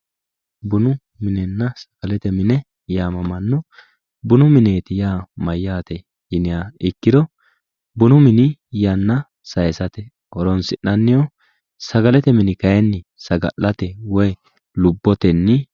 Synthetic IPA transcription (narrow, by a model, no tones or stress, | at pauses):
bʊnʊ | mɪnɛnːɐsɐ̥ɡ̥ɐlɛt̪ɛmɪnɛ | jaːmɐmɐnːɔ | bʊnʊmɪne̞ːt̪ɪjaːmɐjːaːt̪ɛ | jɪnɪjaɪkːɪd̪ɔ | bʊnʊmɪnɪjanːɐ | sɐjɛsɐt̪ɛ | ʔɔɾɔnsɪnːɐnːɪjɔ | sɐɡɐlɛt̪ɛmɪnɪkɐjɛnːɪsɐɡɐ̰ʔːɐt̪ɛwɔj | lʊbːɔt̪ɛnːɪ